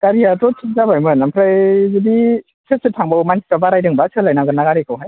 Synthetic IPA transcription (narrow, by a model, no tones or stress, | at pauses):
kaɾiatɔtʰik̚zabajmɯnampʰɾajzɯbi | sʰɯsɯtʰaŋbawmani̥pɾabaɾajdɯŋbasʰɯlajnaɡɯnaɡaɾikʰɯwɦaj